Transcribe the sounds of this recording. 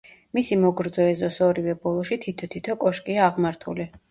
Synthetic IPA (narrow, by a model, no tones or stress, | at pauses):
misimɔɡɾd̪zɔɛzɔsɔɾivɛbɔlˠɔʃit̪ʰit̪ʰɔt̪ʰit̪ʰɔkʼɔʃkʼiaːʁmaɾt̪ʰuli